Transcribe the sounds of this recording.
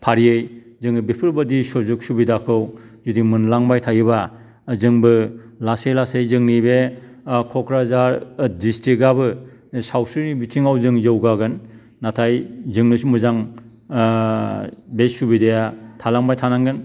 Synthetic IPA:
pʰaɾiɯj | zɯŋɯbipʰɯɾbɯdisɔzuk̚subidakʰɯw | zudimɯnlaŋbajtʰajɯba | zɯŋbɯlasejlasejzɯŋnibe | kʰɔkɾazaɾdistɾik̚ɡabɯ | sawsɯnibitʰiŋawzɯŋzɯwɡaɡɯnː | atʰajzɯŋnɯsumɯzaŋ | besubidejatʰalaŋbajtʰanaŋɡɯn

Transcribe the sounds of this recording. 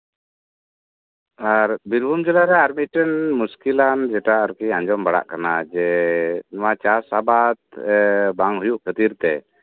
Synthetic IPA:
aɾbiɾbʱumd͡ʒɛlaɾɛaɾmit̪̚ʈɛnmuskiland͡ʒɛʈaaɾkiãɲd͡ʒɔmbaɽa̰ʔkanad͡ʒɛnɔwat͡ʃasabat̪̚baŋɦujuʔkʰət̪iɾt̪ɛ̰

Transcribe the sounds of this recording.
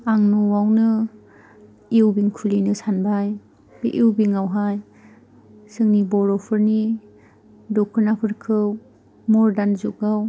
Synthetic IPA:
aŋnuwawnɯ | iwbiŋkʰulinɯsanbaj | b̥iʔiwbiŋawɦaj | sɯŋnibɔɾɔpʰɯɾni | dɔkʰɯɾnapʰɯɾkʰɯw | mɔɾdanzukɡaw

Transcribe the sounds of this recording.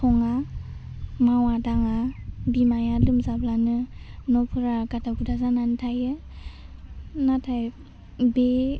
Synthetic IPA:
tʰɔŋa | mawadaŋabimajalɯmzablanɯnɔpʰɯɾaɡataɡudazananɯtʰajɯ | natʰaj | be

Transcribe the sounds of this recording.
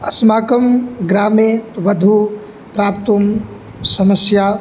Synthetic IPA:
ɐsmaːkɐmɡɾaːmet̪ʋɐd̪ʱu | pɾaːp̚t̪um | sɐmɐsjaː

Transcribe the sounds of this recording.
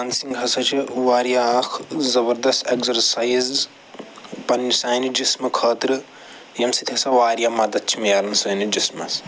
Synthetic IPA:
ɐnsiŋɡɦɐsɐt͡ʃʰiwaːɾjakʰzɐbɐɾd̪ɐst̪eɡzɐɾsajz | pɐnːisaːjnid͡ʒismɐkʰɐːt̪ɾɨ | jɐmsit̪ʰisɐʋaːɾjamɐd̪ɐt̪̚t͡ʃʰimijalɐnsɐːnid͡ʒismɐs

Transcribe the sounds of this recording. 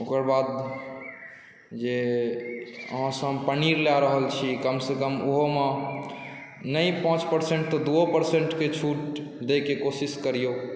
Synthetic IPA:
okəɾbad̪ | d͡ʒe | ə̰ɦãsə̃pəniɾlaɾəɦəlt͡ʃʰikəmsekəmoɦome | nəjpãt͡ʃpəɾseɳʈ̚t̪ɔd̪uopəɾseɳʈket͡ʃʰuʈd̪ekekosiskəɾijo

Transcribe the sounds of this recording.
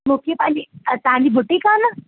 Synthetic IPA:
mokipanit̪anibʱuʈːikana

